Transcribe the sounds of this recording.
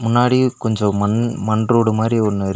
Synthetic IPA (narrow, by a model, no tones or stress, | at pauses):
mʊnːaːɽikɔɲd͡ʒɔ̃mɐnmɐnɖroːɽɯmaːd̪ɾiɔnːɐɾ